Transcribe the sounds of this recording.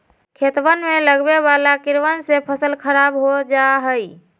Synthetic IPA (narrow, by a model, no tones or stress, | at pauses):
kʰet̪ʋənmeləɡbeβalakiɾʋənsepʰəsəlkʰəɾabɦod͡ʒaɦəj